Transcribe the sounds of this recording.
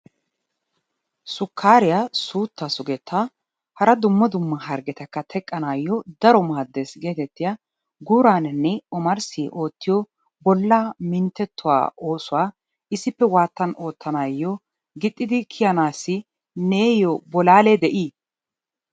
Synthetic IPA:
sʊkʰːaːɾɪjasuːt̪ːasʊɡɛt̪ʰːa | hɐɾɐd̪ʊmːɐd̪ʊmːɐɦɐɾɡɛt̪ɐkːɐt̪ʰɛkʼːɐnaːjːɔd̪ɐɾɔmaːd̪ːesɡe̞ːt̪ɛt̪ːɪjɐ | ɡuːɾaːnnːɛɔmɐɾsiʔo̞ːt̪ːɪjɔ | bɔlːaːmɪnt̪ːɛt̪ːʊwa̰ːʔo̞ːsʊwaː | ɪsɪpːɛwaːt̪ːɐno̞ːt̪ːɐnaːjːɔ | ɡɪt̪ʼːɪd̪ɪkʰɪjɐnaːsːɪ | neːjɔbɔlaːled̪ɛʔiː

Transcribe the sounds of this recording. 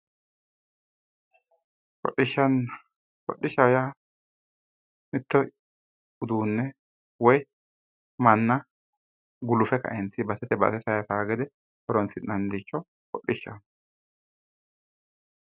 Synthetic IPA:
kɔ̰ɗɪʃːɐn | kɔɗːɪʃɐja | mɪt̪ːɔ | ʊd̪uːnːɛ | wɔj | mɐnːɐ | ɡʊlʊfɛkɐ̰ʔɛnt͡sːɪbɐsɛt̪ɛbɐ̰sɛsɐjɐtaːɡɛd̪ɛ | ɔɾɔnsɪnɐnd̪it͡ʃːɔ | kɔɗːɪʃːɐ̰n

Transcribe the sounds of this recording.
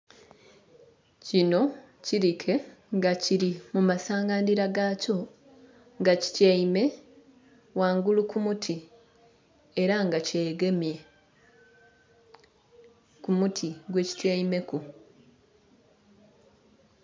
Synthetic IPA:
cino̞ | ciɾikʰe̞ŋɡaciɾimumasaːŋɡandiɾaɡaco̞ | ŋɡaci̥teime̞ | waːŋɡulukumutʰi | e̞ɾaŋɡaceːɡe̞mje̞ | kumutʰiɡwe̞ːci̥tejime̞ku

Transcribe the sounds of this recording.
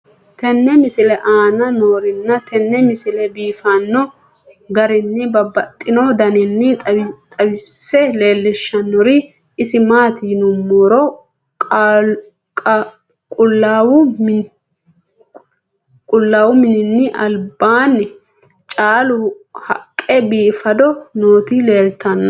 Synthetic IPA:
t̪ɛnːɛmɪsɪlɛʔaːnɐnoːɾɪnːɐt̪ʰɛnːɛmɪsɪlɛbiːfanːɔ | ɡɐɾɪnːɪbɐbɐt̪ʼːɪnɔd̪ɐnɪnːɪt̪ʼɐwɪsːɛle̞ːlːɛʃːɐnːɔɾɪ | ɪsɪmaːt̪iːnʊmːoːɾɔ | kʼʊlːaːwʊ | kʼʊlːaːwʊmɪnɪnːɪʔɐlbaːnːɪ | t͡ʃʼaːlʊhɐ̰kʼːɛbiːfɐd̪ɔnoːt̪ɪle̞ːlt̪ɐnːɐ

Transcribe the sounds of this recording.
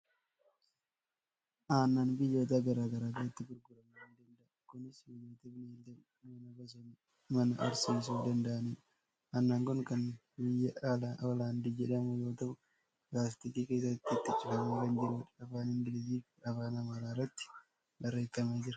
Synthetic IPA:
ʔaːnːaːnbɪjːoːt̪aɡɐɾaːɡɐɾaːɡɐɾɐt̪ːɪɡʊɾɡʊɾɐmɐɾɛnd̪ɐnd̪ɐʔɐkʊnɪsbɪjːoːt̪ɛbɪnelɐ | jonɐbɐsɐn | mɐnɐʔɐɾsiːs̬uːd̪ɐnd̪ɐʔɐnɪn | ʔaːnːaːŋkɔŋkɐn | bɪjːɐʔalaʔɔlaːnd̪id͡ʒɛᶑɐmʊjoːt̪ɐʔʊ | ɡaːsɪt̪ɪkiːke̞ːs̬ɐt̪ːɪt̪ːɪt͡ʃːɪfɐmɐɾend͡ʒɪɾuːᶑɐfaːnɪŋɡɪlɪsiːfɐfaːnɐmaːɾaːrːɐt̪ːɪ̥ | bɐrːeːt̪ːɐmeːd͡ʒɪɾɐ

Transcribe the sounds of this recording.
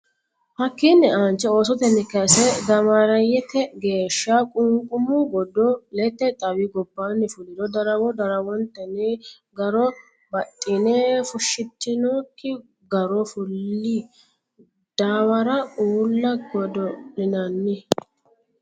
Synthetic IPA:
hɐkːiːnːɪaːnt͡ʃːɛoːsɔt̪ɛnːɪkɐsɛɡɐmɐɾɐjɛt̪ːɛɡe̞ːʃːakʼʊŋkʼʊmʊɡɔd̪ɔlɛt̪ːɛt̪ʼɐwɪɡɔbːanːɪfʊlɪd̪ɔd̪ɐɾɐwɔd̪ɐɾɐwɔnt̪ːɛnɪ | ɡɐɾɔ | bɐt̪ʼːɪneːfʊʃːɪt̪ːɪnoːkʰːɪ | ɡɐɾɔfʊlːɪ | d̪̥aːwɐɾɐuːlːɐɡɔd̪ɔnɪnɐnːɪ

